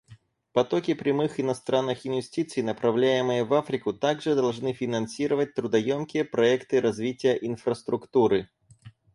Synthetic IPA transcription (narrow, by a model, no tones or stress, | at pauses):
pɐt̪okʲɪpɾʲɪmɨxɪnɐst̪ɾʔanːɨxɪnvʲɪsʲtʲit̪sɨjnəpɾɐvlʲæjɪmɨjəvafɾʲɪkʊt̪aɡʐɨd̪ɐlˠʐnɨfʲɪnɐnsʲiɾəvət̚ʲt̪ɾʊd̪ɐjomkʲɪjəpɾɐɛkt̪ɨɾɐzvʲitʲɪjəʔinfɾəst̪ɾʊkt̪uɾɨ